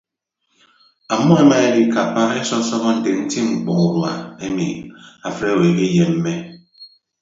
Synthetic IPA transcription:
a˨mɔ˦e˦ma˦e˦di˦ka˨pa˦e˦sɔ˦sɔ˦ɣɔ˦n̩˨de˨n̩˦ti˦ŋ͡m̩˨k͡pɔ˨ŋu˨ɾwa˨e˦mḭ˨a˨fɾe˦˨e˨bi˦je˨nm̩˦me˦

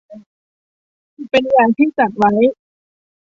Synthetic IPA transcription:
pe˧njaː˨˩ŋt̪ʰiː˥˩t͡ɕa˨˩t̪̚wa˦˥j

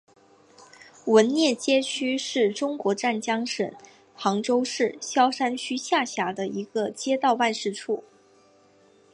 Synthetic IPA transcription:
wə˧˥nnjɛ˥˩t͡ɕjɛ˥t͡ɕʰy˥ʂɻ̩˥˩ʈ͡ʂʊ˥ŋkwɔ˧˥ʈ͡ʂa˥˩nt͡ɕjɑ˥ŋʂə̰˨˩˦n | xʰɑ˧˥ŋʈ͡ʂo˥ʊʂɻ̩˥˩ɕjɑ˥ʊʂa˥nt͡ɕʰy˥ɕja˥˩ɕja˧˥d̪ə˧i˧˥ɡə˧t͡ɕjɛ˥t̪ɑ˥˧ʊpa˥˧nʂɻ̩˥˧ʈ͡ʂʰu˥˩

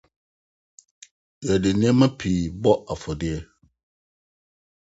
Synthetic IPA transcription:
jɛ˨dɪ˨nɪ̃˦ɛ̃˦mã˦pʰiː˨bɔ˦a˨fɔ˨dɪ˦ɛ˦

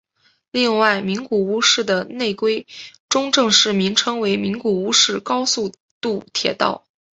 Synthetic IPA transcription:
li˥˧ŋwa˥˩ɪmi˧˥ŋku˨˩u˥ʂɻ̩˥˩d̪ə˩ne˥˩ɪkwe˥ɪʈ͡ʂʊ˥ŋʈ͡ʂɤ˥˧ŋʂɻ̩˥˩mi˧˥ŋʈ͡ʂʰɤ˥ŋwe˧˥ɪmi˧˥ŋku˨˩u˥ʂɻ̩˥˩kɑ˥ʊsu˥˧ | t̪u˥˩t̪ʰjɛ̰˨˩t̪ɑ̰˥˩ʊ

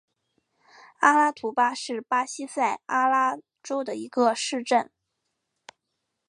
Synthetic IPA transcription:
a˥la˥t̪ʰu˧˥pa˥ʂɻ̩˥˩pa˥ɕi˥sa˥˩ɪa˥la˥ | ʈ͡ʂo˥ʊd̪ə˨i˧˥ɡə˧ʂɻ̩˥˧ʈ͡ʂə˥˩n

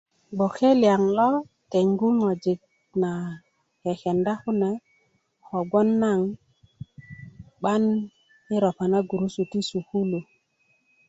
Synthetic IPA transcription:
ɡ͡bo˨xe˦li˨a˨ŋlɔ˦ | te˨ŋɡu˦ŋo˨d͡ʒi˨k̚ | na˨ | ke˨xe˨nda˦xu˦nɛ˨ | ho˨ɡo˦nːa˦˨ŋ | ɓa˦n | i˦ɾo˨pa˨na˦ɡu˨ɾu˦su˨ti˦su˨ku˦lu˨

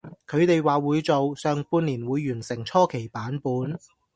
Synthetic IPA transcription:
kʰɵ˨˧ɥt̪e˨jwaː˨wuː˨˧jt͡so˨wsœː˨˩ŋpuː˧nliː˨˩nwuː˨˧jːyː˨˩nsɪ˨˩ŋt͡ʃʰɔː˥kʰe˨˩jpaː˨˥npuː˨˥n

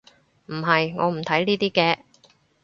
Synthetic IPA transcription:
m̩˨˩ɦɐ˨jŋɔ̰ː˨˧m̩˨˩t̪ʰɐ˨˥jniː˥t̪iː˥kɛː˧

